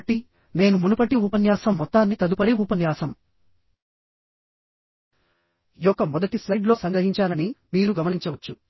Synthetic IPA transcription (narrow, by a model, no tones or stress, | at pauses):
ʈːi | ne̞ːnumunupɐʈːiuːpɐnjaːsɐmːɔt̪ːaːnːit̪ɐd̪upɐɽiuːpɐnjaːsɐm | ijɔkːɐmɔd̪ɐʈislɐjɖlo̞ːsɐŋɡɐɦiɲt͡ʃaːlɐniniːɾuɡɐmɐniɲt͡ʃɐʋɐt͡ʃːu